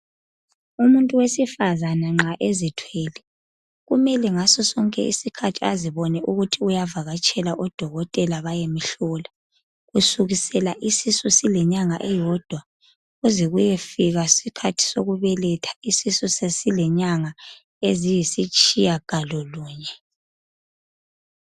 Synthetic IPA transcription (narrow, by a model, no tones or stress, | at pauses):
umuntʼuwesifazanaŋ͡ǁaʔezitʰwɛːlɛ | ɣumɛlɛŋasɔsɔŋkʼɛ̰ḭsikʰatʰiaziβɔnɛʔuɣutʰiujavaɣat͡ʃʼɛlaʔɔd̥ʱɔɣɔtʼɛlaβajemiɬɔla | ɣusuɣisɛlaʔisisɔsilɛɲaŋaʔɛjɔd̥ʱwa | ɣuziɣujefiɣasikʰatʰi̥soɣuβɛlɛtʰḁisisɔsesilɛɲaŋa | ezijisit͡ʃʼijaɡ̥ʱalɔluːɲɛ